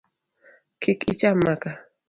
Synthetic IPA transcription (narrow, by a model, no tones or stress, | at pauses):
kʰɪkɪt͡ʃamːaka